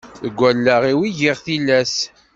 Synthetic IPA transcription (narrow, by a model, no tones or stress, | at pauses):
ðəɡʷːælːæʁiwiʝiʁθilæs